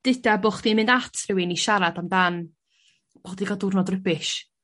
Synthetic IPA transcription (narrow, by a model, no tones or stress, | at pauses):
d̥ɪdaboχd̥inmɪndatʰrɪwɪniʃaɾadamdan | b̥odiɡɔdʊrnɔdrəbɪʃ